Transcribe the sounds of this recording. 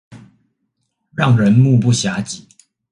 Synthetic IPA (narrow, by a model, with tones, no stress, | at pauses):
ɻɑ˥˩ŋɻə˧˦nmu˥˧p̬u˥˩ɕja˧˥˦t͡ɕi˨˩˦